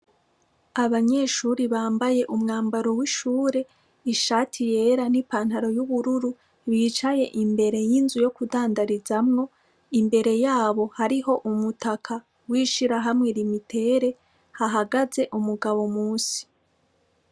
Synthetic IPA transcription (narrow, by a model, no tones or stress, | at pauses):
aβaɲe̞ʃuːɾiβaːmbaje̞ʔumŋaːmbaɾo̞wiʃuːɾe̞ | iʃaːtʰije̞ɾanipaːn̥haɾo̞juβuɾuɾu | βit͡ʃaje̞ʔimbe̞ɾe̞jinzujo̞kudaːndaɾizamŋo̞ | imbe̞ɾe̞jaːβo̞haɾiɦo̞ʔumutakʰa | wiʃiɾaɦamŋe̞ɾimitʰe̞ɾe̞ | haɦaɡaze̞ʔumuɡaβo̞muːsi̥